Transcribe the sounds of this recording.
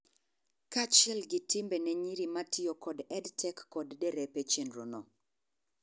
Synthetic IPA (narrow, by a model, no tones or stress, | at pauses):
kat͡ʃɪɛlɡɪtɪmbɛnɛɲiɾimatʰɪokɔdɛdtʰɛkːɔddɛɾɛpet͡ʃenɾo̰no